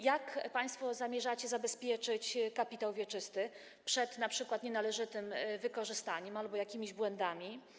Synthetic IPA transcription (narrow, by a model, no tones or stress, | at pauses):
jakpaj̃st̪fɔzamʲjɛʐat͡ɕɛzabɛspʲjɛt͡ʂɘt͡ɕkapʲit̪awvʲjɛt͡ʂɘst̪ɘ | pʂɛt̪napʂɘkwat̪ɲɛnalɛʐɘt̪ɘmvɘkɔʐɘst̪aɲɛmalbɔjakʲimʲiʑbwɛnd̪amʲi